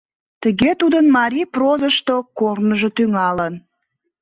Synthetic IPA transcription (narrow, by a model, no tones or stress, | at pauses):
t̪əɣet̪ud̪ənmɑɾiprozəʃt̪okornəʒot̪yŋɑlən